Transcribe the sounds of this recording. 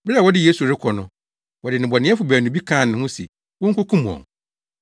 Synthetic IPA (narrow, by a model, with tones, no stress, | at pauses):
bːwɔ˦dɪ˦je˦su˨ɾɪ˦kʰɔ˨nʊ̃˨ | wɔ˨dɪ˨nɪ̃˨bɔ˨nɪ̃˦ɛ˦fʊ˨bæː˨nũ˨bi˦kʰãː˦˨nɪ̃˨hʊ̃˦sḭ˨ | wɔ̃˦ŋ̩˦kʰʊ˦kʰũ˦m̃˨ɔ̰̃˨ŋ